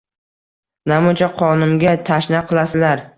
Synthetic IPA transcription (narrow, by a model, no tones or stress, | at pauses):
namʊt͡ʃʰaqʰɒnʊmɡʲat̪ʰaʃnaqʰɨlˠasɪlaɾ